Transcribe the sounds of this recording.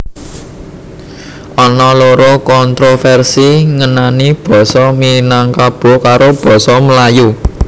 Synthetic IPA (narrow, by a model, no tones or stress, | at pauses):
ʔɔnɔloɾɔkɔnt̪ɾofɛrsiŋənanib̥ɔ̤sɔminaŋkab̥o̤kaɾob̥ɔ̤sɔməlaju